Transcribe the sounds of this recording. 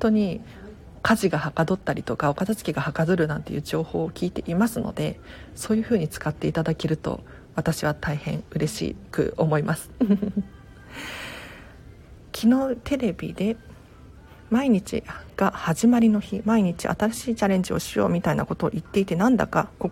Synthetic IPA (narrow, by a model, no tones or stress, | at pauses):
t̪o̞ɲ̟i | kʰaʑiɡahakad̪o̞t̪ːaɾʲit̪o̞kao̞kat̪asɨ̥kʲiɡahakazɨɾɯ̟nãnt̪e̞jɯ̟ːd͡ʑo̞ːho̞ːkʲiːt̪e̞ʔimasɨno̞̰d̪e̞so̞ːjɯ̟ɸɯ̟ːɲ̟it͡sɨ̥kat̪ːe̞it̪ad̪ake̞ɾɯ̟t̪o̞̰ | βat̪aɕiβ̞at̪ʰaihẽ̞ɰ̃ɯ̟ɾe̞ɕḭːkɯ̟̰o̞mo̞imasɨ̥ | kʲʰino̞t̪e̞ɾe̞bʲḭd̪e̞ | maiɲ̟it͡ɕḭɡ̥ahaʑimaɾʲino̞çimaiɲ̟it͡ɕḭʔa̰t̪aɾaɕiːt͡ɕaɾẽ̞ɲ̟d͡ʑio̞̰ɕijo̞̰ːmʲit̪ainako̞t̪o̞ːʔit̪ːe̞it̪e̞nãnd̪a̰ka̰ko